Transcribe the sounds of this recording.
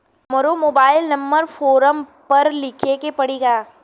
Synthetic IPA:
məɾomoːbaːɪlnɐ̃mbəɾfoːɾəmpɐɾlɪkʰekepɐɽiːɡaː

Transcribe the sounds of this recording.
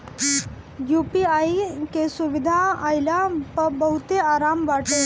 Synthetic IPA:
juːpiaːikesʊʋɪd̪ʱaaːjɪlapɐɾbɐɦʊt̪eaːɾaːmʋaːʈe

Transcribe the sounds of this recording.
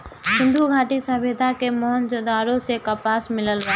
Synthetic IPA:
sɪ̃nd̪ʱuɡʱaːʈisəbeːd̪ʱakemɔːɦənd͡ʒod̪aːɾõsekapaːsmɪləlʋaː

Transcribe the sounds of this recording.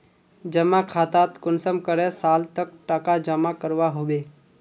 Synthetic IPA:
d͡ʒəmakʰaːt̪aːt̪kʊnsəmkəɾɛ̃saːlt̪ək̚ʈakad͡ʒəmakəɾʋaɦoːʋeː

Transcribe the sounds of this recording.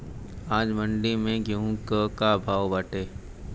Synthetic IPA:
aːd͡ʒməɳɖimẽɡũkəkabʱaːʋbaːʈeː

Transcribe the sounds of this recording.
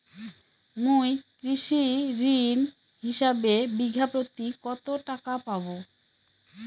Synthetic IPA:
mũjkɾiʃiɾin | ɦiʃabebiɡʱapɾot̪ikɔt̪oʈakapabo

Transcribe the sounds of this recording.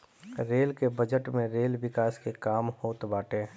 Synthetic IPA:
ɾeːlkebəd͡ʒəʈmẽɾeːlʋɪkaːskekaːmhoːt̪baːʈeː

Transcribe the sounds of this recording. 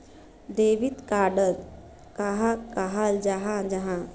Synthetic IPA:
d̪eʋit̪kaːɖəl | kaɦakaɦald͡ʒaɦãd͡ʒaɦã

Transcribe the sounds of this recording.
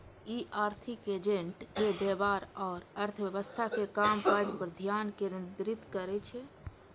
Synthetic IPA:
iʔaɾt̪ʰiked͡ʒẽɳʈkebebaɾɔːɾəɾt̪ʰəbjəβəst̪ʰakekampad͡ʒpəɾd̪ʱjankeɾind̪ɾit̪kəɾɛt͡ʃʰɛ

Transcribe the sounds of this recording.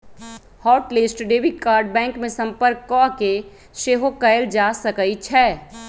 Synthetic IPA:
hɔːʈlesʈɖeːʋikaːɾɖ̚bɛ̃ːŋkmẽsə̃mpəɾkːɔke | ʃeːɦokəɪld͡ʒaːsəkəit͡ʃʰɛː

